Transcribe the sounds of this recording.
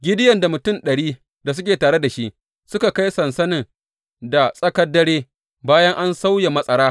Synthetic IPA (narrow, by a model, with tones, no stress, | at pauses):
ɡʲɪ˦dɪ˦jɐ˨nda˨mʊ˨tʊ˦˨nɗɐ˨ɽiː˦ | da˨s̬ʊ˦kʲeː˨taː˨ɽe˦da˨ʃi˦ʔ | sʊ˦ka˨ka˦jsɐ˨nsɐ˦nɪ˨ŋ | da˨sʼɐ˦kɐ˦dːɐ˦ɽeː˦ | baː˦jɐ˦ŋʔa˦nsa˦wja˨mɐ˦sʼɐ˦ɽaː˦